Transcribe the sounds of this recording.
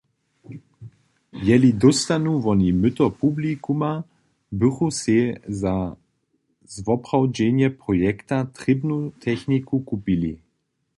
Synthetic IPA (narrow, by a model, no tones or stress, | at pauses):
vjɛlid̪ɔst̪anuvɔnimʏt̪ɔpublikuma | bʏxusɛza | zvɔpʁawd͡ʒɛnjɛpʁɔjɛkt̪at̪ʁɪbnut̪ʰɛxnikukupilḭ